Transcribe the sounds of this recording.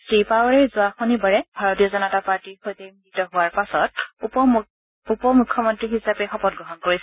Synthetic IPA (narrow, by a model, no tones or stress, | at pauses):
sɹipawaɹɛɹzʊaxonibaɹɛbʱaɹɔtijɔzɔnɔtapaɹtiɹxojteminitɔɦʊwaɹpasɔt̚p | upɔmukʰːjɔmɔntɹiɦisapɛxɔpɔt̚ɡɹɔɦɔnkoɹisɛ